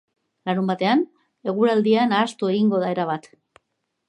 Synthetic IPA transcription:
laɾumbat̪e̞an | e̞ɣ̞uɾald̪ianaːst̪ue̞ɣiŋɡo̞ðae̞ɾaβ̞at̪

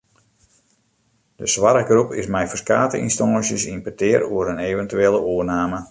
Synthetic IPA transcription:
d̥əsʋaɾəɡrupɪ̰smɛjfərskaːtəḭnstɔŋəsjəsinpətɪːɾoəɾəneːvəntyeːləoərnaːmə

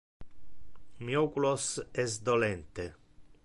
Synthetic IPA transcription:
miokulosɛsd̪olɛnt̪e

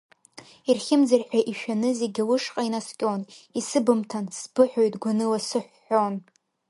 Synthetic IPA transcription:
irχʲɪmd͡zarħʷᶣaʔiʃᶣanɨzeɡʲalɨʂqʼainaskʲʼonisɨbɨmtʰansbɨħʷᶣojtɡʷanɨlasɨħʷːon

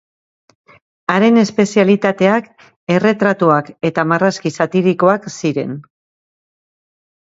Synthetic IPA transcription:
aɾe̞ne̞spe̞sialit̪at̪e̞ak | e̞re̞t̪ɾat̪uake̞t̪amaraskisat̪iɾiko̞aksiɾe̞̰n

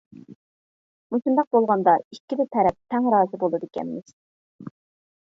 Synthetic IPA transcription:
musund̪ɑq̚bolˠʁɑnd̪ɑikʲːibɪt̪ʰɛɾɛp̚t̪ʰːɛŋɾɑːzɨbolˠɨd̪ɪkʲɛ̰nmɪz̥

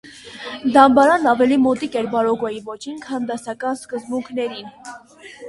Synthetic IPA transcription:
d̪ɑmbɑɾɑnɑvɛlimɔt̪ikɛɾbɑɾɔɡɔjivɔt͡ʃʰinkʰɑnd̪ɑsɑkɑnskəzbuŋkʰnɛɾin

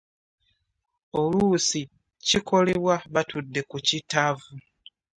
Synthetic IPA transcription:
o̞lusi | cikʰo̞le̞βwaβatudːe̞kucitavu

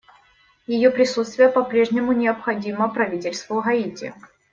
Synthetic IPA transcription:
jɪjopɾʲɪsut̪st̪vʲɪjəpɐpɾʲe̞ʐnʲɪmʊnʲɪɐpxɐdʲiməpɾɐvʲitʲɪlʲst̪vʊɣɐitʲɪ̰

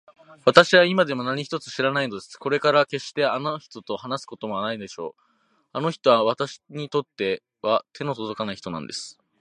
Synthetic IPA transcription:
βat̪aɕiβaimad̪e̞mo̞naɲ̟içi̥t̪o̞t͡sɨ̥ɕiɾanaino̞d̪e̞sɨ̥ko̞ɾe̞kaɾake̞ɕt̪e̞ano̞çi̥t̪o̞t̪o̞hanasɨ̥ko̞t̪o̞moanaid̪e̞ɕo̞ː | ano̞çi̥t̪o̞βaβat̪aɕi̥ɲ̟it̪o̞t̪ːe̞ | βat̪ʰe̞no̞sozo̞kanaiçi̥t̪o̞nã̰nd̪e̞sɨ̥

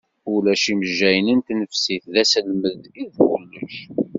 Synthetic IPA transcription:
ʊlæʃiməʒːæjnənt̪nəfsiθðæsəlməðiðɡəlːə̰ç

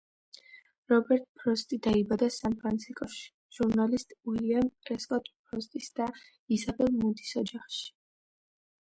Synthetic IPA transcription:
ɾɔbɛɾt̪ʼpʰɾɔst̪ʼid̪aibad̪asampʰɾant̪sʰiskʼɔʃi̥ | ʒ̥uɾnalist̪ʼwiliamkʼɾɛskʼɔt̪ʼpʰɾɔst̪ʼisd̪̥a | izabɛlˠmud̪i̥sɔd͡ʒaχʃi̥

